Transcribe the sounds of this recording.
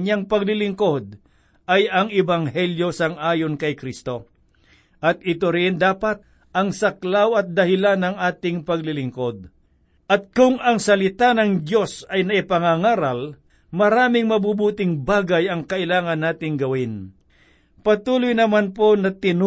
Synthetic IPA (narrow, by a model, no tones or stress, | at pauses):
ɲaŋpɐɡ̚lɪlɪŋko̞d̪̚ | ʔɐjɐŋɪbaŋhɛljo̞sɐŋʔaːjonkɐjkɾist̪o̞ | ʔɐt̪̚ɪt̪oɾɪnd̪aːpat̪̚ | ɐŋsɐklawɐt̪̚d̪ɐhɪlanɐŋʔaːt̪ɪŋpɐɡlɪlɪŋko̞d̪̚ | ʔɐt̪̚kʊŋʔɐŋsɐlɪt̪anɐŋd̪jo̞sɐjnɐʔɪpɐŋaŋaːɾɐl | mɐɾaːmɪŋmɐbubuːt̪ɪŋbaːɡajɐŋkɐʔɪlaːŋɐnːaːt̪ɪŋɡɐwɪn | pɐt̪uːlʊjnɐmanpo̞nɐt̪ɪn